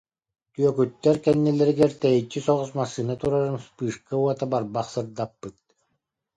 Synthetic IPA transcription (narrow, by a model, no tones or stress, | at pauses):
t̪yœkyt̪ːɛɾkɛnːilɛɾiɡɛɾt̪ɛjit͡ɕːisɔʁusmasɯnat̪uɾaɾɯmspɯːʂkauɔt̪abaɾbaχsɯɾd̪apːɯt̪̚